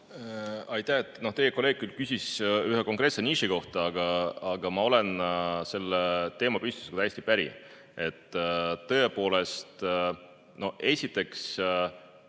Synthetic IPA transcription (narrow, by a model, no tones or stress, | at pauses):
ɑjt̪ːˑæet̪ːˑno̞ht̪e̞jeko̞le̞ːɡ̚kylkysʲisyɦeko̞ŋkˑre̞ːt̪se̞niʃiko̞ht̪ɑɑɡ̥ɑɑɡ̥ɑmɑo̞le̞nse̞lːet̪e̞ːmɑpyst̪u̥skut̪æjest̪ipæɾḭ | e̞t̪ːɤ̞epo̞ːle̞st̪ | no̞e̞sʲit̪ːˑe̞ks